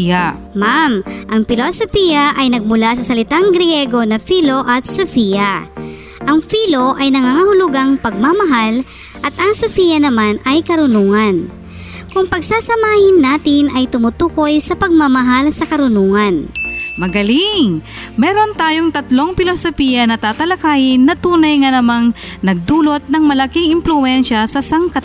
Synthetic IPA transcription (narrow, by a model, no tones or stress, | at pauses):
a | mamʔɐŋpɪlosofiːjɐʔɐjnɐɡ̚mʊlasɐsɐlɪt̪aŋɡɾjɛɡo̞nɐfilo̞ʔɐt̪̚sʊfijɐ | ʔɐŋfiːlo̞ʔɐjnɐŋaːŋahʊlʊɡaŋpɐɡ̚mamɐɦal | ʔɐt̪ʔɐŋsʊfiːjɐnɐmanɐjkɐɾʊnuːŋɐn | kʊŋpɐɡsaːsɐmaːhɪnːaːt̪ɪnʔɐjt̪ʊmut̪uːko̞jsɐpɐɡ̚mamɐɦalsɐkɐɾʊnuːŋɐnmɐɡɐlɪŋ | mɛːɾo̞nt̪aːjoŋt̪ɐt̪lo̞ŋpɪlosopijɐnɐt̪aːt̪ɐlɐkaːhɪnːɐt̪uːnɐjŋɐnɐmaŋnɐɡ̚d̪uːlo̞t̪̚nɐŋmɐlɐkiŋɪmplʊɛnʃɐsɐsɐŋkɐ